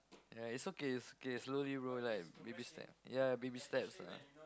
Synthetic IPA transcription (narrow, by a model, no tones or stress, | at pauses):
jaitsokeitsokesloliɹolaɪk̚bebistɛ̰p̚jabebistɛp̚sa̰